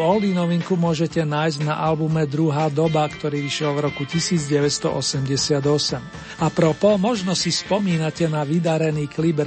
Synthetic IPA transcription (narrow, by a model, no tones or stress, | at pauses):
ɔld̪inɔʋiŋkumʊɔʒɛcɛnaːjzɟna̰ʔalbumɛd̪ɾuɦaːd̪ɔbakt̪ɔɾiːʋiʃlavɾɔkucisiːd͡zɟɛʋɛt̪st̪ɔ̰ʔɔsɛmɟɛsɪad̪ɔsɛm | apɾɔpɔmɔʒnɔsispɔmiːnacɛnaʋid̪aɾɛniːklibɛɾ